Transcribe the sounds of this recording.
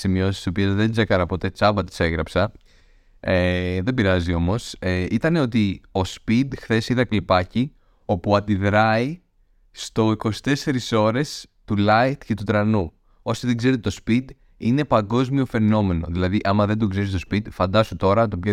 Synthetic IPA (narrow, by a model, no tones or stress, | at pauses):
simio̞sisiso̞piezðe̞nd͡ze̞kɐɾɐpot̪e̞t͡sɐvɐt̪i̥se̞ɣɾɐpsɐ | eðe̞biɾɐzio̞mo̞seit̪ɐne̞o̞t̪io̞spid̪xθe̞siðɐklipɐci | o̞puɐd̪iðɾɐi | st̪o̞iko̞si̥t̪e̞se̞ɾiso̞ɾe̞st̪ulɐjt̪ce̞t̪ut̪ɾɐnu | o̞siðeɡze̞ɾet̪et̪ospid̪ | ine̞pɐŋɡo̞zmio̞fe̞no̞me̞no̞ðilɐðiʔɐmɐðend̪oɡzeɾist̪ospid̪fɐnd̪ɐsut̪o̞ɾɐt̪ope